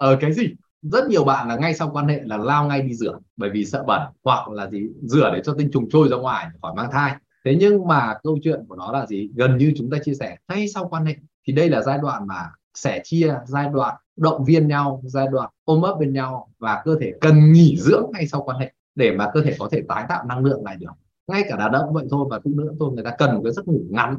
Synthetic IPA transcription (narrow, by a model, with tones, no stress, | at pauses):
ʔəː˨˩kaː˨˦jzi˨˩ | zə˦˥t̚ɲi˨˩əwɓa̰ː˧˨nlaː˨˩ŋa˧jsa˧wkwaː˧nhḛ˧˨laː˨˩laː˧wŋa˧jɗi˧zɨ˧˩əɓəː˧˩jvi˨˩sə̰ː˧˨ɓə˧˩nhwa˨˩k̚laː˨˩zi˨˩zɨ˧˩əɗe˨˦t͡ɕɔ˧t̪ï˧ŋ̟t͡ɕʊ˨˩ŋ͡mt͡ɕo˧jzɔ˧ŋwaː˨˩jxɔ˧˩jmaː˧ŋt̪ʰaː˧j | t̪ʰe˨˦ɲɨ˧ŋmaː˨˩kə˧wt͡ɕwḭ˧˨ənku˧˩ənɔ˨˦laː˨˩zi˨˩ɣə˨˩nɲɨ˧t͡ɕʊ˨˦ŋ͡mt̪aː˧t͡ɕi˧əsɛ˧˩ŋa˧jsa˧wkwaː˧nhḛ˧˨t̪ʰi˨˩ɗə˧jlaː˨˩zaː˧jɗwa̰ː˧˨nmaː˨˩ | sɛ˧˩t͡ɕi˧əzaː˧jɗwa̰ː˧˨n | ɗə̰˧˨wŋ͡mvi˧ənɲa˧wzaː˧jɗwa̰ː˧˨nʔo˧məː˦˥p̚ɓe˧nɲa˧wvaː˨˩kəː˧t̪ʰe˧˩kə˨˩nŋi˧˩zɨ̰˧˥əŋːa˧jsa˧wkwaː˧nhḛ˧˨ | ɗe˧˩maː˨˩kəː˧t̪ʰe˧˩kɔ˨˦t̪ʰe˧˩t̪aː˨˦jt̪a̰ː˧˨wna˧ŋlɨ̰˧˨əŋla̰ː˧˨ɗɨ˨˩ək̚ | ŋa˧jkaː˧˩ɗaː˨˩t̚ɗə̰˧˨wŋ͡mvə̰˧˨jt̪ʰo˧jvaː˨˩t̪ʰɨ̰˧˥nɨ̰˧˥ət̪ʰo˧jŋɨ˨˩əjt̪aː˧kə˨˩nmo˨˩kːaː˨˦zə˦˥t̚ŋɨ˧˩ŋa˨˦n